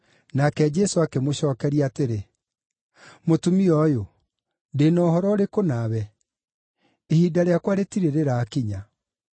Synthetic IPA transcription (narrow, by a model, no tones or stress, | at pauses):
nakɛd͡ʒɛsoakemoɕɔːkɛɾiaːteɾe | motumiɔjo | ndenɔhɔɾɔɾekonaβɛ | ehidaɾeakwaɾetiɾeɾeɾaːkiɲa